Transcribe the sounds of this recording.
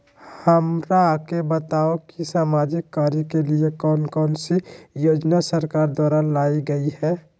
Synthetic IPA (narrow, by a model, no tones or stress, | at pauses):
həmɾakebət̪aːokisaːmaːd͡ʒɪkːaːɾjəkeliekɔːnkɔːnsijoːd͡ʒnasəɾkaːɾd̪waːɾalaːiɡəihɛː